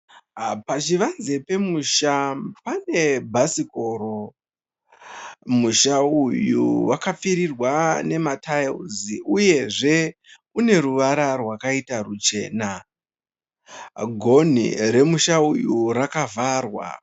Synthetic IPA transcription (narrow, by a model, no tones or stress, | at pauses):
pat͡ʃiʋanze̞pe̞muʃapane̞bʱasiko̞ːɾo̞ | muʃaujṵwakap͡fiɾirwane̞matʰajluziʔuje̞ʐe̞ | une̞ɾuʋaɾarwakaitarut͡ʃe̞ːna | ɡʱo̞n̤ḭɾe̞muʃaujuɾakavaːrwa̰